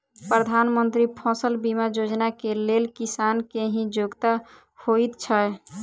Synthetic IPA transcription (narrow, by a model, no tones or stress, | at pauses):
pɾəd̪ʱanmənt̪ɾipʰɔ̃səlbimad͡ʒod͡ʒnakelelkisankeɦĩd͡ʒoɡt̪a | hoit̪t͡ʃʰə